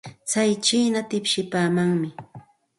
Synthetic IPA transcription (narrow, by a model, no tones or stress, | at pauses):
t͡sajt͡ʃiːnat̪ɪpʃɪpaːmaŋmɪ